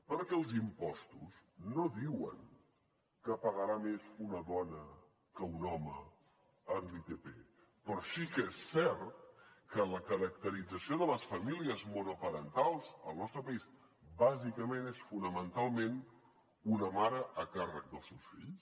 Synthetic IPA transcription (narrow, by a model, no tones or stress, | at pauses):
pəɾkɛəlˠzimpɔst̪usnoðiwə̰ŋ | kəpəɣəɾamezunəðɔnə | kəunɔmə | ənlit̪epḛ | pɾɔsikesɛɾt̪̚kələkəɾək̚t̪əɾid͡zəsioðələsfəmiliəzmonopəɾənt̪alˠz̥əlˠnɔst̪ɾəpəis | bazikəmenesfunəmənt̪alˠmen | unəmaɾəʔəkarək̚d̪əlˠsewsfiʎs